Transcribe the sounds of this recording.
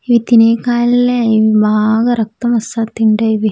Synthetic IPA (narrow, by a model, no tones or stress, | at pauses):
iʋit̪ineːkaːlileiʋibʱaːɡɐɾɐk̚t̪ɐmɐsat̪ːiɳɖɐiʋi